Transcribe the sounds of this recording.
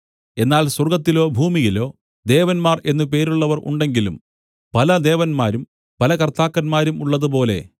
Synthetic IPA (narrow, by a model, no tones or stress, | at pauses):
e̞nːaːlswɐrɡɐt̪ːilo̞ːbʱuːmijilo̞ː | d̪e̞ːʋɐnmaːre̞nːɨpe̞ːɾuɭːɐʋɐrʔṵɳɖe̞ŋɡilṵm | pɐlɐd̪e̞ːʋɐnmaːɾum | pɐlɐkɐrt̪aːkːɐnmaːɾumuɭːɐðup̬o̞ːle̞̰